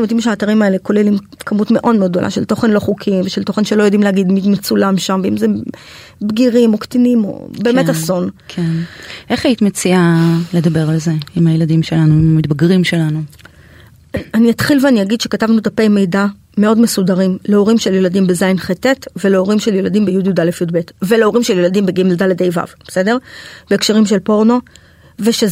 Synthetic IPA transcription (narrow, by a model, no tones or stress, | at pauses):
imod̪imʃeaːtaʁimae̞le̞ko̞lelim | kamutme̞ʔo̞dmeod̪̚d̪o̞la̰ʃelt̪o̞χe̞nlo̞χukʰimveʃelt̪o̞χe̞nʃelo̞jo̞d̪imleaɡid̪mid̪met͡sulamʃamveimze | bɡiʁimo̞kt̪inimo̞̰be̞ːmetaso̞nkʰenʔe̞χait̪met͡siale̞d̪ɐbeʁalze̞imajeladimʃelanuimamitbaɡʁimʃelanu | aniatχilveaniaɡid̪ʃekatavnut̪ape̞jme̞jda | meo̞dme̞sudaʁimle̞o̞ʁimʃeljeladimbezajnχetetvele̞oʁimʃeljeladimbejudjud̪alefjudbetveleo̞ʁimʃeljeladimbeɡimeldaled̪ejva̰vbese̞de̞ʁb̥eːkʃaʁimʃelpo̞ʁno̞ | veʃe